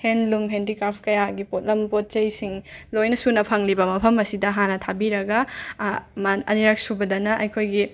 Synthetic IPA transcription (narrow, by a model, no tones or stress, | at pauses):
henlumɦendɾikɾaɾpʰkɐjaɡipot̚lɐmpot̚t͡ʃɐjsiŋlojnɐsunɐpʰɐŋlibɐmɐpʰɐmɐsidɐɦanɐtʰabiɾɐɡɐ | mɐɐ̰niɾak̚subɐdɐnɐʔɐjkʰojɡi